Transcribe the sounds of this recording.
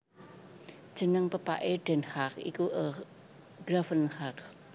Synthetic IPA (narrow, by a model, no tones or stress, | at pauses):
d̥ʒ̥ə̤nəŋpəpa̰ʔeɖ̥ɛnhakḭkuʔə | ɡ̥ɾafənhak̚